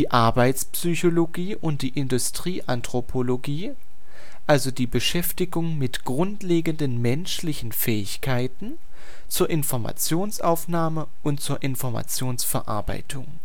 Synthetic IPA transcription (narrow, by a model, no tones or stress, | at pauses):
d̥iːʔaɐbaɪt͡spsyçoloɡiːʔʊnt̚d̥iːʔɪndʊstʁ̥iːʔantʁ̥opʰoloɡiː | ʔalzodiːbəʃɛftɪɡʊŋmɪtɡ̥ʁʊntleːɡəndənmɛnʃlɪçn̩fɛːɪçkʰaɪtn̩ | t͡suːɐʔɪnfɔɐma̰t͡sjoːnsʔa̰ʊfnaːmə | ʔʊntt͡suːɐʔɪnfɔɐma̰t͡sjoːnsfɛɐʔa̰ɐba̰ɪtʰʊŋ